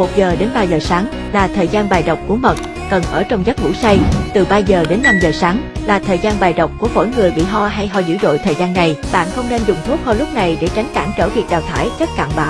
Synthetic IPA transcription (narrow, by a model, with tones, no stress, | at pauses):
mo˨˩t̚zəː˨˩ɗe˨˦nɓaː˧zəː˨˩saː˨˦ŋ | laː˨˩t̪ʰəː˨˩jzaː˧nɓaː˨˩jɗə˨˩wk͡p̚ku˧˩əmə˨˩t̚ | kə˨˩nʔəː˧˩t͡ɕɔ˧wŋ͡mzə˦˥t̚ŋṵ˧˥sa˧jt̪ɨ˨˩ɓaː˧zəː˨˩ɗe˨˦nːa˧mzəː˨˩saː˨˦ŋlaː˨˩t̪ʰəː˨˩jzaː˧nɓaː˨˩jɗə˨˩wk͡p̚ku˧˩əfo̰˧˥˩jŋɨ˨˩əjɓḭ˧˨ɦɔ˧ɦa˧jɦɔ˧zɨ̰˧˥ɗo̰˧˨jt̪ʰəː˨˩jzaː˧nːa˨˩jɓa̰ː˧˨nxə˧wŋ͡mne˧nzʊ˨˩ŋ͡mt̪ʰu˦˥k̚hɔ˧lʊ˦˥p̚na˨˩jɗe˧˩t͡ɕa˨˦ŋ̟kaː˧˩ŋt͡ɕəː˧˩t̪ʰḭ˨˩ət̚ɗaː˨˩wt̪ʰaː˧˩˦jt͡ɕə˦˥t̚ka̰ː˧˨nɓa̰ː˧˨ww